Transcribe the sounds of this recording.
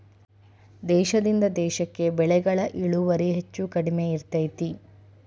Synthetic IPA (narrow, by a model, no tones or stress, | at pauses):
d̪ɛːʃɐd̪ind̪ɐd̪ɛːʃɐkːe̞bɛɭɛɡɐɭɐʔiɭuʋɐɾiɦet͡ʃːukɐɽimeiɾt̪ɐjt̪i